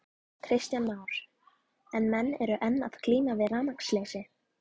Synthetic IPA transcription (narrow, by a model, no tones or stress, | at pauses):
kʰɾɪst̪janmaːwɾ̥ | ɛnmɛnːɛɾʏʔɛnːa̰ð̥kʰliːmavɪðraːnakslejsɪ